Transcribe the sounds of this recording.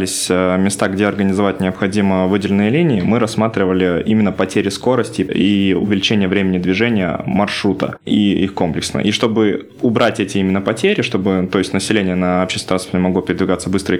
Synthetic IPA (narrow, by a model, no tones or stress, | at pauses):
lʲɪsʲmʲɪst̪aɡdʲeɐrɡənʲɪzɐvat̚ʲnʲɪəpxɐdʲiməvɨdʲɪlʲɪnɨjəlʲinʲɪɪmɨɾɐsmat̪ɾʲɪvəlʲɪimʲɪnːəpɐtʲeɾʲɪsko̞ɾəsʲtʲɪiʊ̰vʲɪlʲɪt͡ɕenʲɪjəvɾʲemʲɪnʲɪd̪vʲɪʐɛnʲɪjə̰mɐrʂɾut̪ə̰iixko̞mplʲɪksnə̰ʔiʂt̪o̞bɨ | ʊbɾʔatʲɛtʲɪimʲɪnːəpɐtʲeɾʲɪʂt̪o̞bɨt̪o̞ɪsʲtʲnəsʲɪlʲenʲɪjənəɐpɕesɾasfnʲɪmɐɡlo̞pʲɪɾʲɪd̪vʲɪɡat̪səbɨst̪ɾə